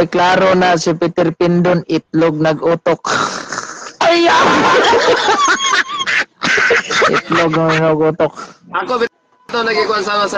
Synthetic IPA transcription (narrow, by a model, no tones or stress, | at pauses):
jklaːɾonasɪpɪt̪ɪɾpɪnd̪onɪt̪̚loɡ̚nɐɡuːt̪ok̚ | aja | ʔɪ̰t̪loɡ̚nɐɪnoɡuːt̪ok̚ɐkobɪ | t̪onɐɡɪkʊansamɐsɐ